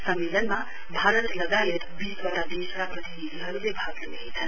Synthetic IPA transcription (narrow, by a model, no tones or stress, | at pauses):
sʌmːelənma | bʱaɾət̪lʌɡajet̪bisbʌʈad̪isɾaprʌt̪inid̪iɦʌɾubebʱaɡleɦet͡sʰʌn